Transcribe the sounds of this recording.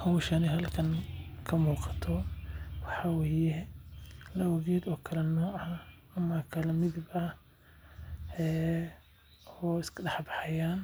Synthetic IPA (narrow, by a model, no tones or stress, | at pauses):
hɐwʊʃɐnɪɦɐlkʰɐŋkʰɐmuːqɑ̥t̪ʰɔwɑħɑwɛːjɛ | lɐwɣɛːd̪ɔːkʰɐlɛnɔːʕʕɐ | ɐmɐkʰɐlɛmɪðɪbɐ | ɛː | ɔːɪskʰɐɖɑħbɑħɑjaːn